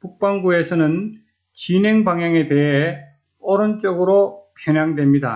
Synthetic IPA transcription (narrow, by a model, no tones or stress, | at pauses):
puk̚p͈anɡue̞sʰʌnɯn | t͡ɕine̞ŋbaŋjaŋe̞te̞ɦe | ʌɾʌnt͡ɕ͈ʌɡɯɾopʰjʌɲjaŋdwe̞mɲida̰